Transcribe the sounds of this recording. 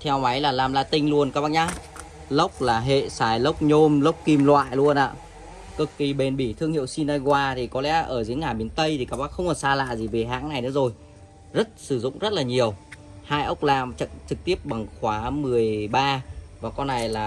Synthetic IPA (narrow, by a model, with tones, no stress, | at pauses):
t̪ʰɛ˧wma˨˦jlaː˨˩laː˨˩mla̰ː˧˨t̪ï˧ŋlu˧ənkaː˦˥k̚ɓaː˧˥ɲaː˧˥ | lə˦˥wk͡p̚laː˨˩ɦḛ˧˨saː˨˩jlə˦˥wk͡p̚ɲo˧mlə˦˥wk͡p̚ki˧mlwa̰ː˧˨jlu˧ənʔa̰ː˧˨ | kɨ˨˩kki˨˩ɓe˨˩nɓi˧˩t̪ʰɨ˧əŋhḭ˧˨wsi˧na˧jɣwaː˧t̪ʰi˨˩kɔ˨˦lɛ̰˧˥ʔəː˧˩zɨ˨˦əŋaː˨˩ɓi˨˦ənt̪ə˧jt̪ʰi˨˩kaː˦˥k̚ɓaː˧˥xə˧wŋ͡mkɔ˨˩saː˧la̰ː˧˨zi˨˩ve˨˩ɦa̰ː˨˦˥ŋna˨˩jnɨ̰˨˦zo˨˩j | zə˦˥t̚sɨ˧˩zʊ̰˧˨ŋ͡mzə˦˥t̚laː˨˩ɲi˨˩əw | haː˧jʔə˦˥wk͡p̚laː˨˩mt͡ɕə̰˧˨nt͡ɕɨ˨˩k̚t̪i˦˥əp̚ɓa˨˩ŋxwaː˨˦mɨ˨˩əjɓaː˧vaː˨˩kɔ˧nːa˨˩jlaː˨˩